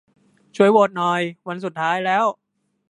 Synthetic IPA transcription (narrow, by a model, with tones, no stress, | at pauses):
t͡ɕʰu˧˥˦əjwoː˨˩t̪̚nɔː˨˩jwa˧nsu˨˩t̪ʰːaː˦˥jlɛː˦˥˩w